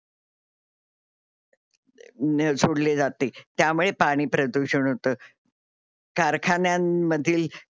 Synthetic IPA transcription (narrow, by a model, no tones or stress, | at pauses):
nsʰoɽled͡zat̪et̪jamuɭepaɽ̃iːpɾəd̪uɕəɳɦot̪əː | kaɾkʰanjamːəd̪ʱiːl